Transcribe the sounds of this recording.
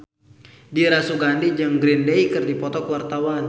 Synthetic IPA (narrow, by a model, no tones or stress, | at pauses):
diɾasuɡandid͡ʒɨŋɡɾindeikɨrdipɔt̪ɔkwart̪awan